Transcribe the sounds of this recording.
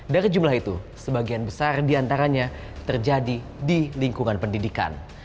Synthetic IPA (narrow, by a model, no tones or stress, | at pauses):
daɾid͡ʒumlaɦit̪ṵsəbaɡianbəsardiant̪aɾaɲa | t̪ərd͡ʒadi | diliŋkuŋanpəndidika̰n